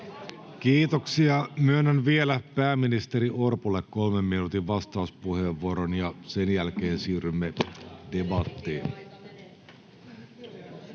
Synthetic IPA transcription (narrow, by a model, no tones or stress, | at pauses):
kiːt̪oksiɑmyønːænʋielæpæːmːinist̪eɾiorpulːekko̞lmemːinuːt̪iʋʋɑst̪ɑuspuheʋːuoɾonjɑsenjælke̞ːnsiːrymːede̞bɑt̪ːeːn